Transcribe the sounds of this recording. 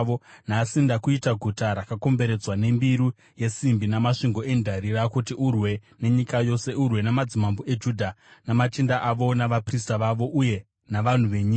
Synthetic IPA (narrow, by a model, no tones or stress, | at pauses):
onasindakuitaɡʱutaɾakako̞mbe̞ɾe̞d͡zwane̞mbiɾu | je̞simbinamaʂiŋɡo̞e̞ndʱaɾiɾakutiʔurwe̞ne̞ɲikajo̞se̞ʔurwe̞namad͡zimamboe̞d͡ʒuːdʱanamat͡ʃindaʔaʋo̞naʋapris̬taʋaʋo̞ʔuje̞ | naʋan̤uʋe̞ɲiːka